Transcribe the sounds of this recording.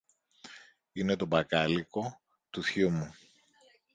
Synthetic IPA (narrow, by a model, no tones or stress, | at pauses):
ine̞t̪o̞bɐkɐliko̞ | t̪uθçumu